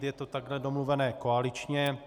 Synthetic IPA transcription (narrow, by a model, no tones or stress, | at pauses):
t̪jɛt̪o̞t̪aɡɦlɛdo̞mluvɛnɛːkoalɪt͡ʃɲɛ